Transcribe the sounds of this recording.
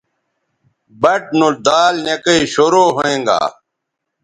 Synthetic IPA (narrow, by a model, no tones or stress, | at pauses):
bɐʈ̚nuld̪aːlnekəiːɕoːɾoːɦoẽːŋɡa̰ː